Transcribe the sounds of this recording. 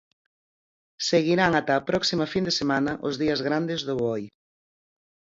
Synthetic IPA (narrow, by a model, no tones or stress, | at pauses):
seɣiɾaŋat̪aːpɾɔksimɐfind̪esemanɐʔʊzðiɐzɣɾand̪ɪzðʊβɔj